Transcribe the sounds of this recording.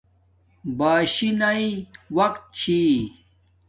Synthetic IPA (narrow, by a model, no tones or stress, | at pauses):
baːɕinaiwɐqt̪̚t͡ɕʰi